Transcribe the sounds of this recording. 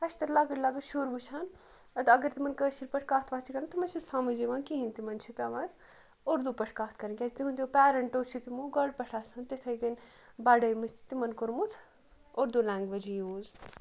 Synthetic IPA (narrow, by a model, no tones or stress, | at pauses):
ɐt͡ʃʰt̪ɐɾlaɡɐʈlaːɡəʃoːɾbut͡ʃʰaːn | ɐt̪ɐɡɐɾt̪imɐnkəʃiɾpɐʈʰkaːt̪ʰʋaːt͡ʃʰikɐɾnt̪ɐmɐnt͡ʃʰisaːmɐd͡ʒiʋãːnkiɦint̪imɐnt͡ʃʰupʲaːʋɐɾ | oɾd̪upɐʈʰkaːt̪ʰkɐɾnkʲaːt͡ʃʰit̪iɦũnt̪iopʲaːɾɐɳʈoːt͡ʃʰit̪imuɡɐɾɖpɐʈʰaːsant̪it̪ʰɐjkɐn | baːɖɐjmɨt̪ʰt̪imɐnkoɾmut̪ʰ | oɾd̪ulãːŋɡʋɐd͡ʒijuːz